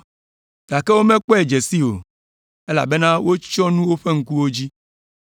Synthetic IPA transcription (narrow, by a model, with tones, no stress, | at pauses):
ɡ̥a˨ke˦wo˦mɛ̃˦k͡pɔ˦e˨d͡ʒe˨si˦o̰˨ | e˦la̰˨be˦nã˦wo˦t͡ʃɔ˦nũ˦wo˦ɸe˦ŋ̩˦ku˦wo˦d͡ʑi˦